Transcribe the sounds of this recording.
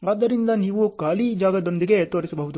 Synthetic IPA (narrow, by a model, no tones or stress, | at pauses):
aːd̪ːɐɾind̪ɐniːʋukaːlid͡ʒaːɡɐd̪o̞nd̪iɡe̞t̪o̞ːɾisɐbɐɦud̪u